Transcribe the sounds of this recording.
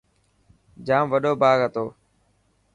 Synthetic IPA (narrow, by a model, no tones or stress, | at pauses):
d͡ʒaːmʋəɗoːbaːɡɦət̪oː